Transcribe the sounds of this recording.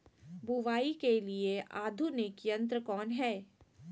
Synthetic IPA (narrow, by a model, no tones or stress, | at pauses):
bʱuʋaːikelieʔaːd̪ʱunɪkjə̃nt̪ɾəkɔːnɦɛː